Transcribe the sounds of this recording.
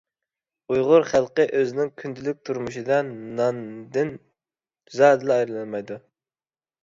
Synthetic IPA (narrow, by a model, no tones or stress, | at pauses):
ujʁʊɾχælˠqəʔøzɪnɪŋkʲʰynd̪ʰɪlyk̚ʲt̪ʰuɾmuʃid̪ɑnːɑnd̪ɪn | zɑːd̪ɨlɑɑjɾɨlˠɑnmɑjd̪u